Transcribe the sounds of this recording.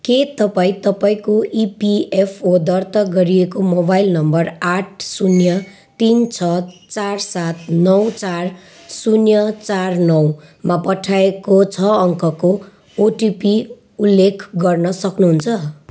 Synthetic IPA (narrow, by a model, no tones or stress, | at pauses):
ket̪ʌpaĩt̪ʌpaĩkoipiepʰod̪ʌrt̪ʌɡʌɾiekomobajlnʌmbʌraʈʰsunjʌ | t̪int͡sʰʌt͡sarsat̪nʌwt͡sar | sunjʌt͡sarnʌwmapʌʈʰaekot͡sʰʌʌŋkʌko | oʈipi | ulːekʰɡʌrnʌsʌknuɦunt͡sʰʌ